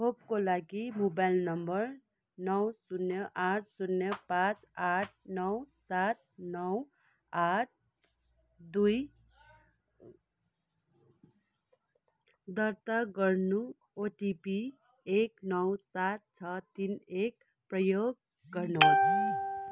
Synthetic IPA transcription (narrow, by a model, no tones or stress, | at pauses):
ɦʰopkolaɡimobajlnʌmbʌr | nʌwsunːjʌʔat͡ssunːjʌpãt͡saʈ̚ʰnʌwsat̪̚nʌw | aʈ̚ʰ | d̪uj | d̪ʌrt̪aɡʌrnu | oʈipi | eknʌwsat̪̚t͡sʰʌt̪inek | prʌjoɡ̚ː | ʌrnut͡sʰʌ